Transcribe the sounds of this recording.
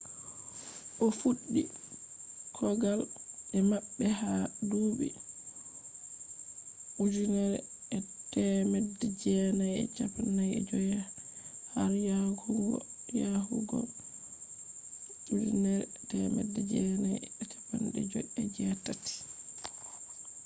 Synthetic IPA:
ʔɔfuɗːi | kʰɔɡalɗɛmaɓːɛɦaduːɓḭ | ʔud͡ʒunɛɾ | ɛtɛmɛdɛd͡ʒɛnajɛ̰t͡ʃapanːajɛ̰d͡ʒɔjahaɾjahuɡɔ̰jahṵɡɔ̰ | ud͡ʒunɛɾ | tɛmɛ̰dːɛd͡ʒɛnajɛt͡ʃḁpanɗɛ̰d͡ʒɔɛd͡ʒɛtati̥

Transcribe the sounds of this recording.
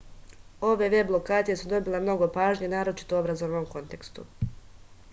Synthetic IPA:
o̞ʋe̞ʋe̞blˠo̞kaːt̪ije̞sud̪o̞bilemno̞ɡo̞paːʒɲenaːɾo̞t͡ʃi̥t̪oobɾazoʋnomko̞nt̪e̞kst̪ṵ

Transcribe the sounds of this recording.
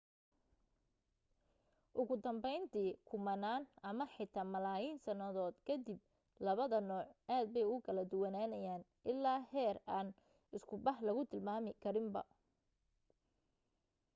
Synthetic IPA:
ʔʊɣʊd̪ɐmbɛjnt̪ʰiːkʰʊmɐnaːnɐmɐħɪt̪ʰaːmɐlaːjiːnsɐnɐðɔːd̪kʰɐd̪ɪb̚ | lɐβɐðɐnɔːʕʔaːd̪̚bɛjʊkʰɐlɐd̪ʊwɐnaːnɐjaːnʔɪlːaːhɛːraːn | ɪskʰʊbɐhlɐɣʊt̪ʰɪlmaːmɪkʰɐɾɪmbɐ̰

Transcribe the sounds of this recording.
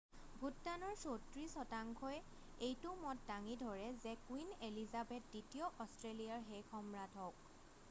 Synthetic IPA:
bʱutːanɔɹsotɹisɔtaŋkʰɔj | ejtʊmɔt̚daŋidʱɔɹɛzɛkwinelizabɛt̚ditijɔʔɔstɹelijaɹɦejkʰɔmɹatʰɔk̚

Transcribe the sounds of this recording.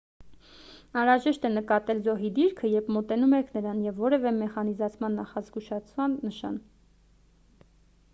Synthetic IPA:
ɑnɾɑʒɛʃt̪ɛnəkɑt̪ɛlzɔɦid̪iɾkʰəjɛpmɔt̪ɛnumɛkʰnəɾɑnjɛvːɔɾɛvɛmɛχɑnizɑt͡sʰmɑnːɑχɑzɡuʃɑt͡sʰvɑnːəʃɑ̰n

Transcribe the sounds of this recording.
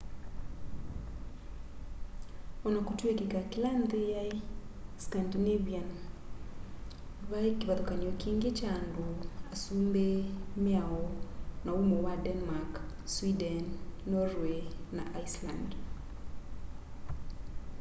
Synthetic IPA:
ɔnakotwekekakɪland̪eja | skandineβian | βaekiβaðokaniɔkiːŋɡet͡ʃaːndoasumbemeaɔnaumowadɛnmakswidɛnːɔɾwenaʔaisla̰nd

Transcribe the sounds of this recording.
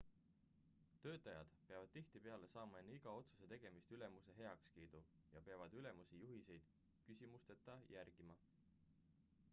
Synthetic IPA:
t̪ø̞ːt̪ːˑɑjɑ̰d̪̥pe̞ɑvɑd̪̥̚t̪iht̪ipe̞ɑle̞sɑːmɑe̞nːeiɡ̥ɑo̞t̪su̥se̞t̪e̞ɡ̥e̞mist̪yle̞muse̞ɦe̞ɑkskiːd̪̥u | jɑpe̞ɑvɑd̪̥yle̞musijuɦise̞jd̪̥ | kysʲimust̪e̞t̪ˑːɑjʔæɾɡ̥imɑ

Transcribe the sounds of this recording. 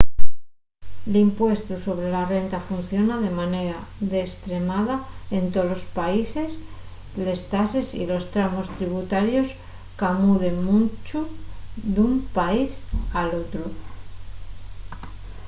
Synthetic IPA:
limpwe̞st̪uso̞βɾe̞lare̞nt̪afun̟θjo̞naðe̞mane̞ɾaðe̞st̪ɾe̞mað̞ae̞nt̪o̞lo̞spaise̞s | le̞st̪ase̞sḭlo̞st̪ɾamo̞st̪ɾiβ̞ut̪aɾjo̞s | kamuðe̞ŋmunt͡ʃuðumpaisalo̞t̪ɾo

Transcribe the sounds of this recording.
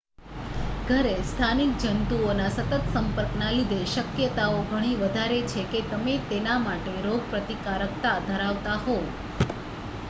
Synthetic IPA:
ɡʱəɾest̪ʰanik̚d͡ʒənt̪uonasət̪ət̪səmpəɾknalid̪ʱeʃəkjət̪aoɡʱəɽ̃iʋəd̪ʱaɾet͡ʃʰeket̪əmet̪enamaʈeɾoɡ̚pɾət̪ikaɾəkt̪ad̪ʱəɾaʋt̪aɦo

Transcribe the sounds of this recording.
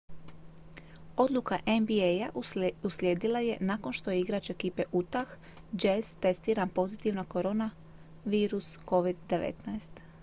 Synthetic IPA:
o̞d̪lˠukaʔenbiejaʔusljeːd̪ilˠaje̞nako̞nʃt̪o̞jeiɡɾat͡ʃeekiːpe̞ʔut̪ax | d͡ʒez̥t̪e̞st̪iːɾanpo̞zit̪iʋnako̞ɾo̞na | ʋiːɾusko̞ʋid̪ːe̞ʋḛt̪naest̪

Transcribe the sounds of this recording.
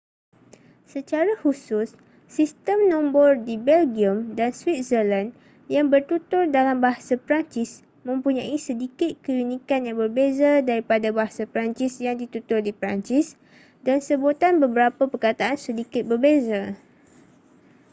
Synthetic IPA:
sət͡ʃaɾahusʊsː | ist̪əmnɔ̃mbɔrdibɛlɡiəmdanswit̪̚zəlan | jaŋbərt̪ut̪ʊrdalambaɦasapɾaɲt͡ʃɪs | mə̃mpuɲãisədikɪt̪̚kəlinĩkanjaŋbərbezadaɾipadabaɦasapɾaɲt͡ʃɪsjaŋdit̪ut̪ʊrdipɾa̰nt͡ʃis | dansəbut̪anbəbəɾapəpərkat̪aʔansədikɪt̪̚bərbeza

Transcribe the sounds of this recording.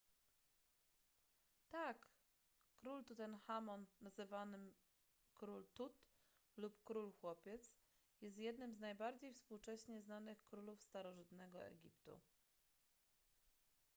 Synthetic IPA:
t̪akː | ɾult̪ut̪ɛnxamɔnːazɘvanɘm | kɾult̪ut̪ | lupkɾulxwɔpʲjɛt̪s | jɛst̪jɛd̪nɘmznajbaɾd͡ʑejfspuwt͡ʂɛɕɲɛznanɘxkɾulufst̪aɾɔʐɘt̪nɛɡɔ̰ɛ̰ɡʲipt̪ṵ

